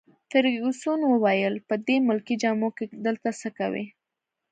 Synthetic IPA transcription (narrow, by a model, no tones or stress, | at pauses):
t̪əɾusunwəwajəlpəd̪emʊlkid͡ʒɑmoked̪əlt̪asəkawḭ